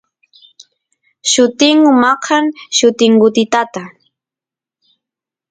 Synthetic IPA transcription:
ʃʊt̪ɪŋʊmɑqʰaŋʃʊt̪ɪŋɢʊt̪ɪt̪at̪a

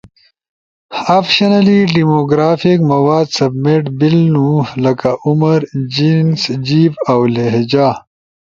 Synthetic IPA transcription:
afʃɐnɐliɖimoːɡɾaːfikmɐwaːd̪sɐbmeʈbilnulɐkaumɐɾd͡ʑinsd͡ʑiːbawleɦd͡ʑaː

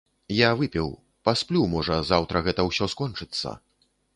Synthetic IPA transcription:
javɨpʲɛw | pasplʲumɔʐɐzawt̪ɾʔɐɣɛt̪ɐwsʲɔskɔnt͡ʂɨt̪sːɐ̰

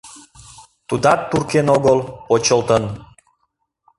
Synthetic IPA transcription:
t̪ud̪ɑt̪ːurkenoɣəlpot͡ɕəlt̪ən

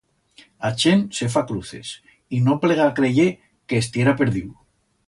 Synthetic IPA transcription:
at͡ʃense̞f̬akɾuθe̞̰s | inopleɣ̞akɾeʝe | keːst̪je̞ɾapeɾðiw

